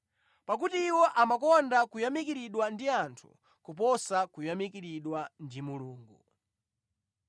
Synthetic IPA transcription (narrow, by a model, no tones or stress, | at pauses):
pak̬utiːwɔʔamakɔndakujamikiɾiɗwandiantʰṵ | kupɔsakujamikiɾiɗwandimuluːŋɡu